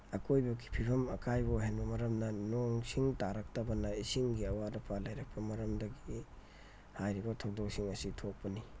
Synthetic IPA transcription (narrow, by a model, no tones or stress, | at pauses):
ɐkojbɐɡi̥pʰibʰɐmɐkʰajbɐɦenbɐmɐɾɐmnɐnoŋsiŋtaɾɐk̚tɐbɐnɐisiŋɡiɐwadɐpʰalajɾɐk̚pɐmɐɾɐmdɐɡi | hajɾibɐtʰɐwdok̚siŋɐsitʰok̚pɐni